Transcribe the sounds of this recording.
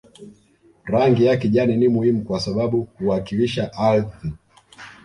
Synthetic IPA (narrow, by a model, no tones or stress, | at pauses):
ɾaŋɡijakɛʄaninimuhimukwasaɓaɓuhuakiliʃaʔalθi